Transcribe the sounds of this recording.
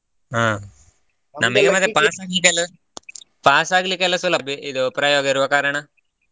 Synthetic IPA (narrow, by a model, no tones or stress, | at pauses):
aː | nɐmɐkːemɐd̪epaːsaːɡilik̬ːelɐ | paːsaːɡlikːalɐsulɐbʱiʔiðɨpɾaːjoːɡɐɾuʋɐkaːɾɐɳɐ